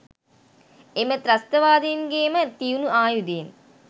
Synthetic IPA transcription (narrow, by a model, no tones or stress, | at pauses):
emət̪ɾɐst̪ɐʋaːd̪enɡeːmət̪iunuaːjud̪eːn